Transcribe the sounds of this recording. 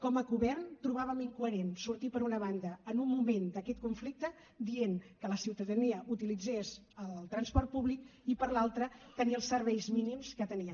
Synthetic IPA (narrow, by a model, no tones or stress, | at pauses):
kɔməɣuβɛrnt̪ɾuβ̞aβəmiŋkuəɾensuɾt̪ipəɾunəβand̪əːnumːumend̪əkɛt̪̚kuɱflik̚t̪ə | d̪ienkələsiwt̪əðəniəʔut̪ilid͡zes | əllˠt̪ɾənspɔrt̪̚puβlikipəɾlalˠt̪ɾət̪əniəlˠsəɾβɛjzminimskət̪əniə